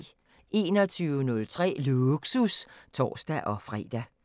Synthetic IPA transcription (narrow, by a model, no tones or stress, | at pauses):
ʔe̝̰ːnɒ̽t͡sʰyːʊənɔ̽lt͡sʰʁɛ̰ːluɡ̥sust͡sʰɒ̰ːsd̥æʔɒ̽fʁɛ̰ːd̥æ